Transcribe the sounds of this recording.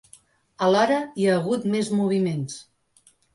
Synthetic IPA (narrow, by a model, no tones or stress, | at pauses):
əlaɾəiaːɣ̞ut̪mezmuβ̞imens